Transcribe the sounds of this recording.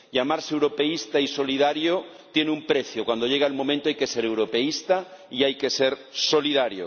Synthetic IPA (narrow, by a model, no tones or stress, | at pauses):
ʎamaɾsewɾopeist̪aiso̞lið̞aɾjo | t̪jeneumpɾeθjokwand̪oʎeɣ̞aelmomẽnt̪oajkeseɾewɾopeist̪aiajke̞seɾsoliðaɾjo̰